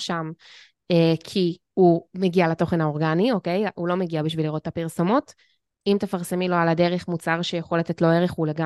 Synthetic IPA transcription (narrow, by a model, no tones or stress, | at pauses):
ʃam | ekʰi | umeɡialato̞χe̞nhaoʁɡanio̞ke̞julo̞meɡiabiʃviliʁo̞t̪̚ːapiʁsomot | imt̪efaʁsemilo̞aladeʁeχmut͡saʁʃejeχolat̪e̞tlo̞eʁeχuleɡa